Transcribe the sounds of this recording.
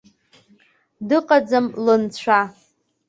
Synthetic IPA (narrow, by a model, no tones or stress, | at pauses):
dɨqʼad͡zamlɨnt͡ɕʷʰa